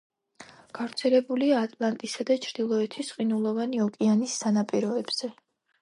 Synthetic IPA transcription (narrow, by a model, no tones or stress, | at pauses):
ɡ̥avɾt̪sʰɛlɛbuliaːt̪ʼlˠant̪ʼisad̪at͡ʃʰɾd̪̥ilˠɔɛt̪ʰisqʼinulˠɔvaniɔkʼianisːanapʼiɾɔɛb̥z̥ɛ